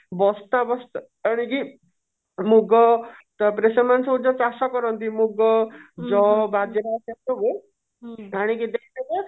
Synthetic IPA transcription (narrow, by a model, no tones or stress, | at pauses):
bɔst̪abɔst̪ | əɽ̃iki | muɡɔt̪ɔpɾesɔmansɔ̃ud͡ʒɔt͡ʃasɔkɔɾɔnt̪imuɡɔd͡ʒɔbad͡ʒ̪eɾaːsat̪ɔɡe | aɽ̃ikid̪ekʰt̪eke